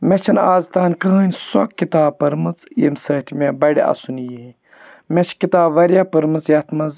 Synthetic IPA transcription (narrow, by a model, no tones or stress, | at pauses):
mɛt͡ʃʰɐnaːzt̪aːnkɨɦəːnʲsɔkːit̪aːpɐɾmɨt͡sjḭmsəːt̪ʰimʲebɐɽʲiɐ̰sunji | met͡ʃkit̪aːbʋɐɾʲjapɨɾmɨt͡sjɐt̪ʰmɐz